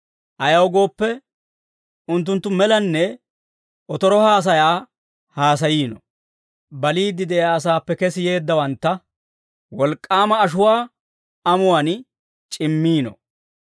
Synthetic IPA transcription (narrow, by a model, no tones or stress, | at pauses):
ʔɐjɐwɡo̞ːpːɛ | ʊnt̪̬ːʊnt̪ːʊmɛlɐnːɛ | ʔɔt̪ɔɾɔhaːs̬ɐjaː | haːsɐjiːnɔ̰ | bɐliːd̪ɪd̪ɛjaːs̬aːpːɛkɛsɪje̞ːd̪ːɐwɐnt̪ːɐ | wɔlkʼːaːmɐːʃʊwaː | ɐmʊwan | t͡ʃʼɪmːiːnɔ̰